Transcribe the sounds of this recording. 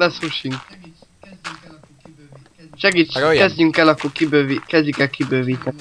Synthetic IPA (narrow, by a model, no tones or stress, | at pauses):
lɛsruʃiŋk | ʃɛɡiːt͡ʃkɛzɟyŋkɛlɒkːokibøːvikɛzɟikɛlkʰibøːviːt̪ɛ